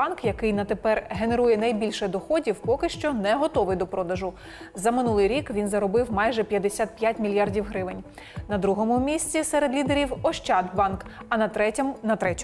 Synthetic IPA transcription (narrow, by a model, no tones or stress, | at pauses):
ɑnkjɐkɪjnɐt̪epɛrɦe̞neɾujɛnɐjbʲilʲʃɛd̪ɔxɔdʲiwpɔkɪʃt͡ʃɔnɛɦɔt̪ɔʋɪjd̪ɔpɾɔd̪ɐʒʊ | zɐmɪnulˠɪjɾʲikʋʲinzɐɾɔbɪwmɑjʒɛpʲjɐd̪esʲat̪̚pʲjat̚ʲmʲilʲjɑrdʲiwɦɾɪʋɪnʲ | nɐd̪ɾuɦɔmʊmʲisʲt͡sʲisɛɾed̪lʲid̪eɾʲiwɔʃt͡ʃɑd̪bɑnk | ɐnɐɛnɐt̪ɾɛtʲ